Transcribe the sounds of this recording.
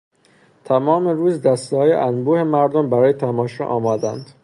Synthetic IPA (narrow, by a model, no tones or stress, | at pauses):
t̪ʰæmɒːmeɾuːzd̪æst̪hɒːjḛʔænbuːhemæɾd̪ombæɾɒːjet̪ʰæmɒːʃɒ̰ːʔɒːmɒːd̪ænd̪̥